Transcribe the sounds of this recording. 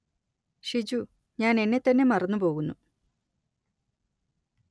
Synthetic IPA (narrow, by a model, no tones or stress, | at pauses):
ɕid͡ʑu | ɲaːne̞nːe̞t̪ːɐnːe̞mɐrɐnːupo̞ːɣunːu